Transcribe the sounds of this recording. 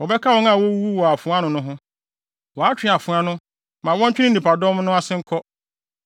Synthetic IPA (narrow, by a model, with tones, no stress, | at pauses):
wɔ˨bɛ˦kʰa˦wɔ̃˦ŋa˨wɔ˦wu˦wɔ˨a˨fʊ̃˨˦ã˦nʊ̃˨nʊ̃˦ɦʊ̃˦ | wɔ˨a˦t͡ɕᶣɪ˨˦˨a˨fʊ̃˨˦a˦nʊ̃˦ | mã˨wɔ̃˦ɲ˦t͡ɕᶣɪ˦nɪ̃˦˨ĩ˨pa˨dɔ̃˦m˦nʊ̃˦a˦sɪ̃˦ŋ̩˦kʰɔ˦